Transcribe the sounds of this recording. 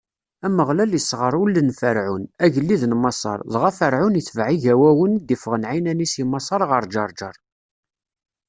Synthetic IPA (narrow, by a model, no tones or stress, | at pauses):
æməʁlæljəsːʁəɾˤulːənfəɾʕunæʝəlːiðnmɑsˤɑ̰ɾˤðˤʁæfəɾʕʊniθvʕiʝæwæwənd̪ifəʁənʕinænisimɑsˤɑɾˤʁəɾˤd͡ʒɑɾˤd͡ʒɑɾˤ